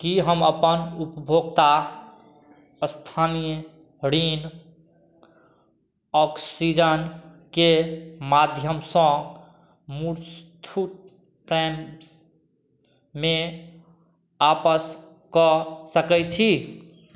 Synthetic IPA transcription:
kiɦəməpənupbʱoɡt̪a | əst̪ʰanijə | ɾin | ɔksid͡ʒən | kemad̪ʱjəmsə̃ | muɾst̪ʰuʈ | pɾɛms | me | apəs | kɔsəkɛt͡ʃʰi

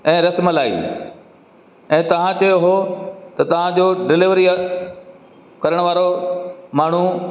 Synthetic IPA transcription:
ɛ̃ːɾɐsməlaːḭ | ɛ̃ːt̪ɐʋ̤ãt͡ɕɐjoɦot̪ɐt̪ɐʋ̤ãd͡ʑoːɖɪlɪʋəɾi | kɐɾəɽ̃ʋaːɾomaːɳ̤u

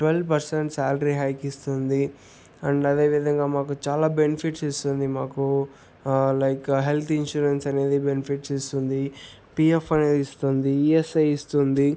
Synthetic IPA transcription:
ʈʋelʋpɐɾseɳʈsaːlɾiɦɐjkist̪und̪i | ɐɳɖɐd̪e̞ːʋid̪ʱɐŋɡaːmaːk̬ut͡ʃaːlaːbenipʰiʈsist̪und̪imaːku | lɐjkɦelt̪ʰinʃuːɾensɐne̞ːd̪ibenipʰiʈsist̪und̪i | piːefɐne̞ːd̪ist̪und̪iiesɐjist̪und̪i

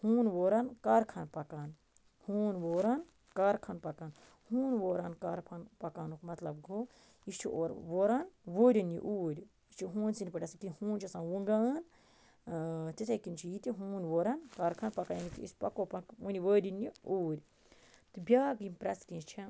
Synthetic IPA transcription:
huːnʋoːɾankaɾkʰɐːnpɐkaːn | huːnʋoːɾan | kaɾkʰɐːnpɐkaːn | huːnʋoːɾaːnkaːɾpʰɐnpɐkaːnukmɐt̪lɐbɡoː | ist͡ʃʰiʔo̰ːɾʋoːɾaːnʋoːɾʲinḭʔuːɾʲ | ist͡ʃʰiɦuːnsinʲpɐʈʲɐskinʲhuːnt͡ʃʰisãːnʋuŋɡaːn | t̪isʰɐkint͡ʃʰijit̪ʲiɦuːnʋoːɾɐnkɐːɾkʰanpɐkaːnjɐnit̪ʰḭḭsʲpɐkoːpɐkunʲiʋəːɾʲiniuːɾʲ | t̪ɨbʲjaːɡimʲpɾɐskĩt͡ʃʰi

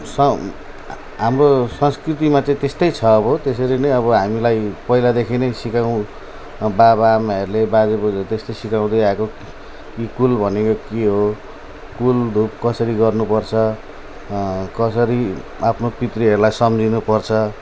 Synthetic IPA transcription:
sʌ | ɦamrosʌnskrit̪̬imat͡sãĩt̪est̪ʌjt͡sʰʌːbʌt̪esʌɾinʌjʌβʌɦamilajpʌilad̪ekʰinʌjsikaw̃ | babaːmaɦeɾulebad͡zebud͡zt̪est̪ʌsikaw̃d̪ʌjako | kikulbʱʌnekokiɦo | kuld̪ʱup̚kʌsʌɾiɡʌrnupʌrt͡sʰʌ | kʌsʌɾi | apʰnopit̪riɦʌɾulajsʌmd͡zinupʌrt͡sʰʌ

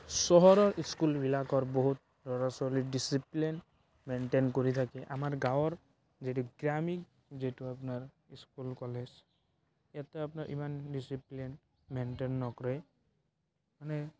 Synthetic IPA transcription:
sɔɦɔɾɔɾiskulbilakɔɾbɔɦut̪̚ | ɾɔɾasɔliɖisiplin | menʈenkoɾit̪ʰakɛʔamaɹɡawɔɾ | zetuɡɾamik | zituapnaɹ | iskulkɔlez | jat̪ɛapnaɾʔḭmanɖisiplin | menʈenːɔkɔɾe | manɛ

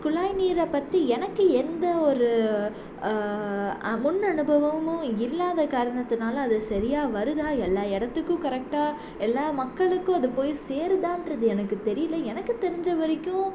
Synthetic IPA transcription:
kʊlaːjniːɾɐpːɐt̪ːiɛnɐkːɯɛnd̪ɐɔɾɯ | ɐmʊnːɐnɯbʱɐʋɐmʊ̃ɪlːaːðɐkaːɾɐɳɐt̪ːɯnaːlɐːðɯsɐɾɪjaːʋɐɾɯðaːɛlːaːɛɽɐt̪ːɯkːʊ̃kɐɾɛk̚ʈaː | ɛlːaːmɐkːɐɭɯkːʊ̃ɐðɯpoːjseːɾɯðãːɪndɾɐðɯɛnɐkːɯt̪ɛɾɪjɪlːɐɛnɐkːɯt̪ɛɾɪɲd͡ʒɐʋɐɾɪkːʊ̃

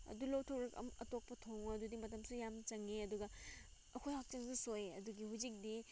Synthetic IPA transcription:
ɐ̰dulowtʰɐwɾɐkɐ̰mɐ̰tok̚pɐtʰoŋɐdudimɐtɐmsujamt͡ʃɐŋeɐduɡɐ | ɐkʰojhak̚t͡ʃɐŋsusojɐduɡihuzik̚di

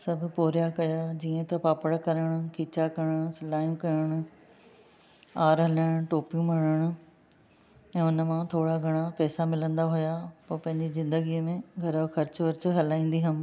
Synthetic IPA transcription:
sɐbʱʊ̆poːɾjakɐjad͡ʑiːə̃t̪ɐpaːpəɽkɐɾəɽ̃ʊ̆kʰiːt͡ɕakɐɽəɽ̃ʊsɪlaːjũkɐɾəɽ̃ʊ | aːɾɦɐləɽ̃ʈoːpijũmɐɽəɽ̃ʊ | ɛ̃ːʊnəmãt̪ʰoːɽaɡʱɐɽ̃apɛːsamɪlə̃nd̪aɦʊjapoːpɐ̃ɦɪ̃ɲd͡ʑizɪ̃nd̪əɡiːəmẽɡʱɐɾəxɐɾt͡ɕʋɐɾt͡ɕʊɦɐlaːĩːn̆d̪iɦɐmɪ̆

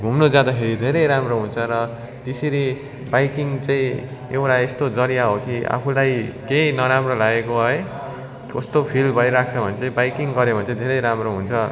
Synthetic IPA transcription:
bʱumnod͡zad̪akʰeɾid̪ʱeɾʌjɾamroɦunt͡sʰʌɾʌ | t̪eseɾi | bajkiŋt͡saĩewʈaest̪od͡zʌɾijaɦokia̰pʰulajkejnʌɾamrolaɡekoɦʌe | kost̪opʰilbʱʌjɾak̚ʰt͡sʰʌbʱʌnet͡saĩbajkiŋɡʌɾebʱʌnt͡sãĩd̪ʱeɾʌjɾamroɦunt͡sʰʌ

